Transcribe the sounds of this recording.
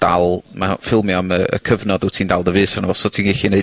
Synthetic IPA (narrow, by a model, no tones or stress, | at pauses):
d̥alˠmafɪlˠmjɔməə̰kʰəvnɔdʊtʰiːndalˠdəvɨːsanavɔsɔtʰiːnɡeɬineɨ